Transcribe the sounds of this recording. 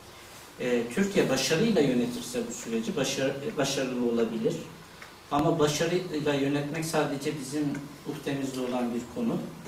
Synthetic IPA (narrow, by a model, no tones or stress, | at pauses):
ɛːt̪ʰyɾcʰijɛbaʃaɾɯjlˠajø̞ne̞t̪ʰiɾsɛbusyɾe̞d͡ʒibbaʃaɾɯlˠɯo̞lˠabilʲiɾ̥ | amabaʃaɾɯjlˠajø̞nɛt̪mɛcsaːd̪e̞d͡ʒɛbizimuxt̪ʰe̞mizlʲio̞lˠanbiɾkʰo̞nu